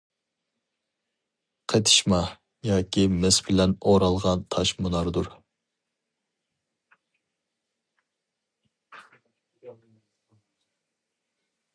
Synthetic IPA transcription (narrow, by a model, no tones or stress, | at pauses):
qʰet̪ʰɨ̥ʃmɑ | jɑːkʲʰimɪsbɪlɛnoɾɑlˠʁɑnt̪ʰɑʃmunɑɾd̪uɾ